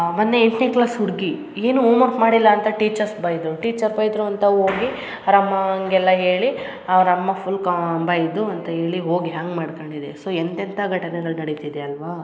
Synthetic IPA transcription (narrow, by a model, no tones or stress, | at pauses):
mɐnːeeɳʈneklaːsɦuɾɡi | e̞ːnuuːmɐɾpmaːɽilːɐːnt̪ɐʈiːt͡ʃɐɾsbɐjd̪ɾuʈiːt͡ʃɐɾbɐjd̪ɾuɐnt̪ɐɦoːɡi | ɐɾɐmːɐŋɡɛlːɐɦe̞ːɭi | ɐʋɾɐmːɐpʰulkɐbɐjd̪uɐnt̪ɐɦe̞ːɭiɦo̞ːɡiɦaːŋɡmaːɖkoɳɖid̪esoːent̪ɛnt̪ʰɐɡʱɐʈɐnɛɡɐɭnɐɽit̪id̪eɐlʋaː